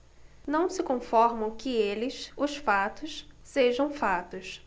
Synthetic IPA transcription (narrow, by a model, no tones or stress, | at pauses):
nɐ̃w̃sɪkõfɔɾmɐ̃w̃kɪelɪsʊʃfat̪ʊsseʒɐ̃w̃fat̪ʊs